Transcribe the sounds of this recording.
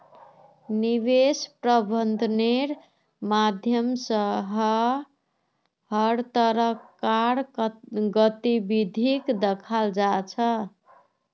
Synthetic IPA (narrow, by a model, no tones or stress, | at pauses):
niβespɾəbʱənd̪ʱneɾ | mad̪ʱjəmsəɦə | ɦəɾt̪əɾəkːaɾɡət̪ibid̪ʱikd̪ekʰald͡ʒat͡ʃʰə